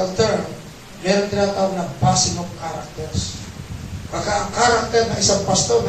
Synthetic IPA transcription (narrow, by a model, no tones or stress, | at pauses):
lt̪ɛɾ | mɛɾʊnd̪ɪnat̪aonɐŋpasɪmovkaɾak̚t̪ɛɾs | kakaʔɐŋkaɾak̚t̪ɛɾnɐŋɪsaŋpɐst̪oɾ